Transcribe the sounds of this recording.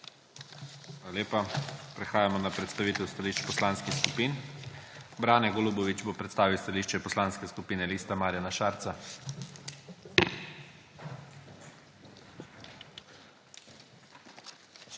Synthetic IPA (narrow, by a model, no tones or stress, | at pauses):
alaleːpapɾɛxaːjamɔnapɾɛt̪st̪aʋiːt̪ɛwst̪aliʃt͡ʃpɔslanskixskupiːn | bɾaːnɛɡolubɔʋit͡ʃbopɾɛt̪st̪aːʋiwst̪aliʃt͡ʃɛpɔslaːnskɛskupiːnɛliːst̪amaːɾjanaʃaːɾt̪sa